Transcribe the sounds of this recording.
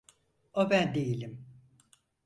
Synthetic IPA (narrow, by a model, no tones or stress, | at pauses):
obænd̪ejilʲim